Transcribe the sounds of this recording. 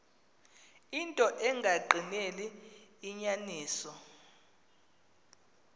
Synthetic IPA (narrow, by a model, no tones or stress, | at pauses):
intʼɔʔɛŋɡʱaɡ͡ǃʱineliːɲaniːsɔ